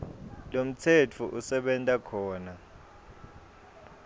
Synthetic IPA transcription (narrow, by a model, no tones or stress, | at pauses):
lom̩tʰet͡fʰuʔusɛɓɛntʼakʰɔːna